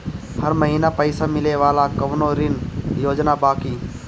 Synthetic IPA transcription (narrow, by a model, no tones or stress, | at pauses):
həɾməɦiːnapəɪsamɪleʋaːlakɐʋnoːɾɪnjoːd͡ʒnabaːkiː